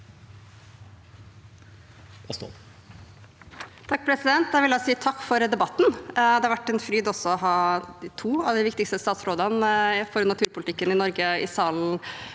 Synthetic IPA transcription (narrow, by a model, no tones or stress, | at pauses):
so̰ | t̪ʰɑk̚ːpʰɾɛsɪd̪ɛnt̪̚d̪æʋɪljæsiːt̪ʰɑkːfɔɾd̪ɛbɑt̪ːnd̪ɛhɑɾʋæʈːɛnfɾyːd̪ɔsɔɔɦɑːd̪ɪt̪ʰuːɑʋd̪ɪʋɪkt̪ɪkst̪əst̪ɑːt̪sɾoːd̪ənfɔɾnɑt̪ʰʉːɾpʊlɪt̪ɪkːənɪnɔɾɡəɪ̰sɑːln̩